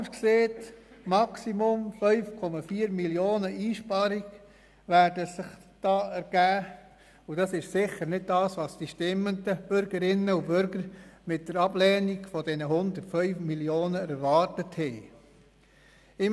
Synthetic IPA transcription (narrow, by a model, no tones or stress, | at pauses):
kseːtmɑksimʊmfœʏfkʰɔmɑfiːəɾmiljoːnəʔiːʃpɑɾiɡ | ʋæːɾdəsɪχd̥ɑːɛɾɡ̥æː | ʊd̥ɑsɪʃsɪχəɾnɪd̚dɑːsʋɑːsd̥iʃtɪmːəndəb̥ʏɾɡ̥əɾɪnːəubʏɾɡəɾmɪt̚d̥əɾɑb̥lɛːniɡfɔdɛnəhʊnd̪əɾtfœʏfmiljoːnəɛɾʋɑːɾtəthɛː | ɪm